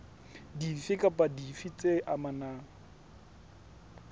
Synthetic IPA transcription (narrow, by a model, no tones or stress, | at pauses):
difɪkʼapʼadifit͡sʼeʔamanaː